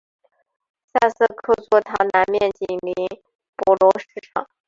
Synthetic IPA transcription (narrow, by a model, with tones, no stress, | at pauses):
sa˥˧sɤ˥˧kʰɤ˥˧t͡swɔ˥˩t̪ʰɑ˧˥ŋna˧˥nmjɛ˥˩nt͡ɕi˨˩ŋmi˧˥n | pɔ˧˥lɔ˧˥ʂɻ̩˥˩ʈ͡ʂʰɑ̰˨˩˦ŋ